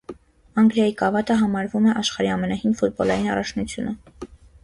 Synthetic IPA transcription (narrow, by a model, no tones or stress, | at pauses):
ɑŋɡljɑjikɑvɑt̪əɦɑmɑɾvumɛʔɑʃχɑɾiɑmɛnɑhinfut̪̚bɔlɑjinɑ̰rɑt͡ʃʰnut͡sʰjṵnə